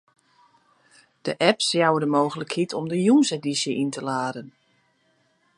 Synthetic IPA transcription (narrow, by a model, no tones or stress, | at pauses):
d̥əʔɛpsjawədəmoːɣələkhitʰɔmdəjuːnsedisjəʔintʰəlaːdən